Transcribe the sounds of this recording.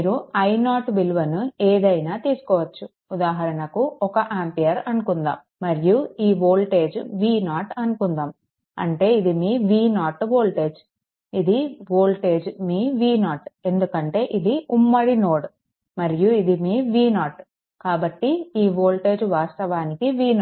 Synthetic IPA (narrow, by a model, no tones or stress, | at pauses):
miːɾuɐjnaːʈbilʋɐnueːd̪ɐjnaːt̪iːsu̥kɔːʋɐt͡ʃːu | ud̪aːɦɐɾɐɳɐkuɔkɐʔaːmpijɐɾɐnukund̪a̰ːmːɐɾijuiːboːlʈe̞ːd͡ʒʋiːnaːʈɐnukund̪aːm | ɐ̰ɳʈe̞ːid̪imiːʋiːnaːʈbo̞ːlʈe̞ːd͡ʒ | id̪iboːlʈe̞ːd͡ʒmiːʋiːnaːʈe̞nd̪ukɐɳʈe̞ːʔid̪iʔumːɐɽino̞ːɽ | mɐɾijuid̪imiːʋiːnaːʈ | kaːbɐʈːiiːboːlʈe̞ːd͡ʒʋaːst̪ɐʋaːnikiʋiːna